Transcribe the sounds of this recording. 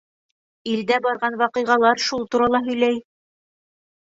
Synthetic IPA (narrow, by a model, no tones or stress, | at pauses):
ild̪æbɑɾʁɑnwɑqɤ̆jʁɑlˠɑɾʃulˠt̪uɾɑlˠɑɦɵ̆jlæj